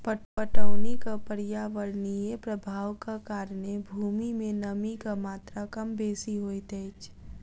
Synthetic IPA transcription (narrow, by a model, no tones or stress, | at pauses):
pəʈpəʈəʊnikapəɾijaʋəɾnijepɾəbʱaːʋkakaːɾnebʱuːmimẽnəmikamaːt̪ɾakəmbeːsiɦoːit̪ɛɪt͡ʃʰ